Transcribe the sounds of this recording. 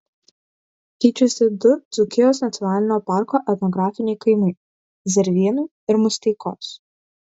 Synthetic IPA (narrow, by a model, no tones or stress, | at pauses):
kʲɛɪt͡ʃʲʊsʲɪd̪ʊd̪z̥ʊkʲɪjoːsnɐt̪sʲjɔnɑːlʲɪnʲoːpɑˑɾkoːʔɛt̪nɔɡɾɑːfʲɪnʲɛɪkɐɪmɐɪ | zʲɛɾʲʋʲiɛnʊɪ | ɪɾmʊsʲt̪ʲɛɪko̰ːs